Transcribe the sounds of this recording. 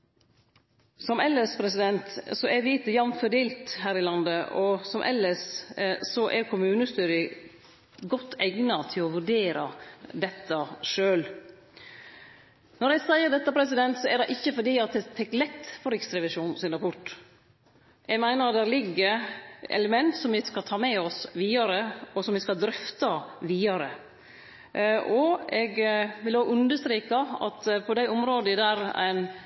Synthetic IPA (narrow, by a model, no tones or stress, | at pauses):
sɔmɛlːəspʰɾɛsɪd̪ɛnt̪sɔɛɾʋiːt̪əjɑnfœɖ̪eːlt̪ɦæːɾɪlɑnd̪əʔɔsɔmʔɛ̰lːəssɔʔɛɾkʰʊmʉːnəst̪yːɾɪ | ɡɔt̪ʰːæɡnɑt̪ʰɪlɔʋʉɖeːɾɑ̰d̪ɛt̪ʰːɑʂøːl | nɔɾɛsæɪəd̪ɛt̪ːɑpʰɾɛs̬ɪd̪ɛnt̪sɔædɑɪʔɪçːəfɔɖiːɑt̪̚d̪ɛt̪ʰɛkːlɛt̪ːfɔɾɪkst̪ɾɛʋɪʂuːnsɪnɾɑpʰʊʈː | ɛɡmæɪnəɾɑt̪d̪æɾlɪɡːəɾɛ̰ləmɛnt̪sɔmʋɪskɑt̪ʰɑːmɛɔsʋiːɑɾəɔsɔmʋɪskɑld̪ɾʏft̪ɑʋiːɑɾə | ɔɛɡʋɪloːʉnd̪əʂst̪ɾiːkɑɑ̰t̪pʰɔd̪æɪɔmɾoːd̪əɪd̪æːɾæ̰ɪn